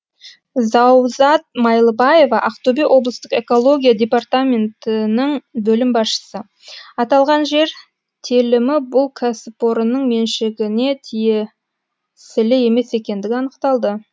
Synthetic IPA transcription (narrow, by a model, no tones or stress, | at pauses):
zɑwzɑt̪̚mɑjlˠəbɑje̞vɑʔɑqt̪ubewʔo̞blˠəst̪əqe̞ko̞lˠo̞ɡʲijadʲe̞part̪amʲe̞nt̪ɪnəɴbɵlɪmbɑsʃə̥sə | ɑt̪ɑlˠʁɑnʒe̞ɾ | t̪ʰelɪmɪbʊlˠkʰasɪpo̞ɾənəɴme̞nʃɪɡʲɪne̞t̪ʰije | sɪlɪe̞me̞se̞kʲe̞nd̪ɪɡʲɪɑnəqt̪ɑlˠd̪ə